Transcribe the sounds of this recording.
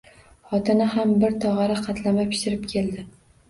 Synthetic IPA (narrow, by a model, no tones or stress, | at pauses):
χɒt̪ʰɪnɪhambɪɾt̪ʰɒʁɑɾaqʰɑt̪lamapʰɪ̥ʃɪɾɪpkʲʰe̞ld̪ɪ